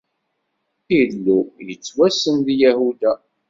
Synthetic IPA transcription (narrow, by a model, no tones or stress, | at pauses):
ilːujət͡sːwæsənðijæhud̪æ